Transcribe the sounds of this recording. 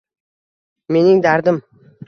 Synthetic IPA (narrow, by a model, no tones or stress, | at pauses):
me̞nɪŋd̪aɾd̪ɪm